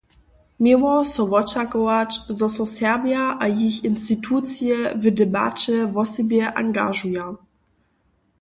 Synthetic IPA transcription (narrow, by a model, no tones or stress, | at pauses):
miwɔsɔvɔt͡ʃakɔat͡ʃzɔsɔsɛʁbjaʔajiçinstitʰut͡sjɛvədɛba̰t͡ʃɛvɔsɛbjɛʔa̰ŋɡa̰ʒuja